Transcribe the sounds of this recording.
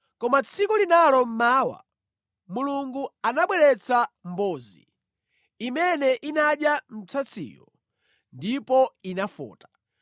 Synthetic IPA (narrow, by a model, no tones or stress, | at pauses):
kɔmat͡sʰikulinalɔm̩maːwa̰ | muluŋɡuanaɓwɛɾɛt͡sʰam̩bɔːzḭ | imɛnɛʔinaɗjam̩t͡sʰat͡sʰḭːjɔ | ndipɔinafɔ̰ːtḁ